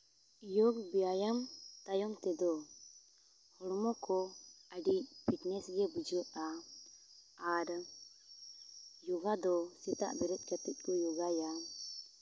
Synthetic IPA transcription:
jɔɡbijajamt̪ajɔŋt̪ɛd̪ɔ | hɔɽmɔkɔəɖicbʱit̪nɛsɡɛbud͡ʒəʔa | ɾ | jɔɡad̪ɔsit̪a̰ʔb̪ɛɾɛt̪̚ˀkət̪it̪̚ˀkɔjɔɡaja

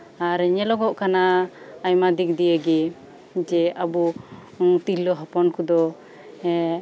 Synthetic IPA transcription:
aɾɲɛlɔɡɔʔkanaːjmad̪ik̚d̪ijəɡɛ | d͡ʒɛabu | t̪ilɔɦɔpɔnkud̪ɔ | ɛ

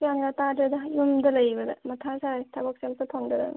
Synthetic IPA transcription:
kjanɡatadɾɐdɐjumdɐlɐjbɐdɐ̰mɐtʰasajtʰɐbɐk̚semsɐtʰoŋdɐdɐ̰n

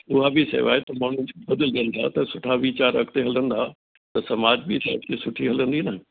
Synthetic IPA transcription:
ʊɦabɪsḛʋa̰ːet̪ɐmaːɽ̤ʊ̃nɪ̆d͡ʑbɐd̪əlɗĩənd̪a̰t̪ɐsʊʈʰaʋit͡ɕaːɾɐ̰kt̪eɦɐlə̃nd̪a | t̪ɐsɐmaːd͡ʑbit̪eɐkt̪esʊʈʰiɦɐlə̃nd̪inɐ

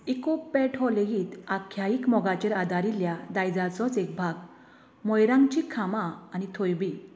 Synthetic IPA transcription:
ekopɛʈʰɔleɡiːt̪akʰjaikmɔɡat͡ɕeɾad̪aɾiljad̪ajd͡zat͡sɔt͡sek̚bʱaɡ | mɔjɾãŋɡt͡ɕikʰamãːnit̪ʰojbi

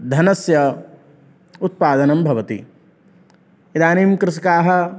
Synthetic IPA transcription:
d̪ʱɐnɐsjɐ | ut̪̚paːd̪ɐnɐmbʱɐʋɐt̪ḭ | id̪aːniːmkɾɪsɐkaːɦɐ̆

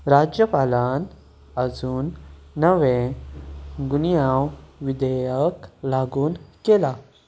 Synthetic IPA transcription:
ɾaːd͡ʒjəpaːlan | ɐzuːnːəʋe | ɡunijawʋid̪əjəklaːɡuːnkela

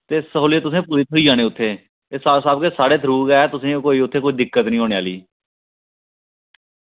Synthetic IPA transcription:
t̪eːsəɦoːleːt̪ʊs̬ẽːpuːɾɪt̪ɦoiːaːñeːʊt̪ʰːeː | esaːsaːb̚keːsaːɽeːt̪ʰəɾuːɡɛːɛːt̪ʊsẽːkoːiːʊt̪ʰːeːkoːiːd̪ɪkːət̪nĩːɦoːneːaːliː

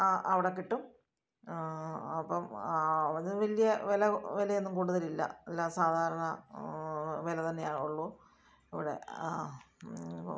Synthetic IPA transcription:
aʔɐʋiɽekːiʈːum | ɐpːɐm | ðɨʋɐlijɐʋelɐʋelejenːumkuːɽuðɐlilːɐ̰elːaːsaːd̪ʱaːɾɐɳɐ | ʋelɐt̪ɐnːeauɭːu | iʋiɽe̞̰

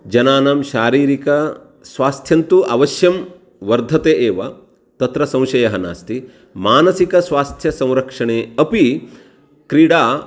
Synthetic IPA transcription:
d͡ʒɐnaːnaːmʃaːɾiːɾikɐ | sʋaːst̪ʰjɐnt̪uʔɐʋɐʃjɐm | ʋɐɾd̪ʱɐt̪eːʔeːʋɐ | t̪ɐt̪ɾɐsɐ̃w̃ʃɐjɐɦɐna̰ːst̪i | maːnɐsikɐsʋaːst̪ʰjɐsɐ̃w̃ɾɐkʂɐɳeːɐpi | kɾiɽaː

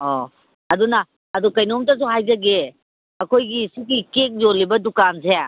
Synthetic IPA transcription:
ɔ | ɐdunɐ | ɐdukɐjnomtɐs̬uɦajzɐɡe | ɐkʰojɡisukikek̚zolːibɐdukans̬e

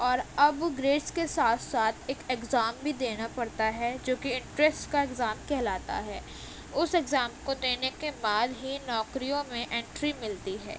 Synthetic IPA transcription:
ɔːɾɐbɡɾeːʈskesaːt̪ʰsaːt̪ʰeːkekzaːmbʱid̪eːnapɐɽt̪aɦɛd͡ʒoːkiɪ̃ɳʈɾɛsʈkaeɡzaːmkɛɦlaːt̪a̰ɦɛː | ʊsɛɡzaːmkod̪eːnekebaːd̪ɦinɔːkɾijõmẽʔẽːɳʈɾimɪlt̪iɦɛ̰ː

